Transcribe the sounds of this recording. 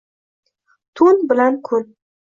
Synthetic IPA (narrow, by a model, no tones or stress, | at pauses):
t̪ʰʊnbɪlankʰʊn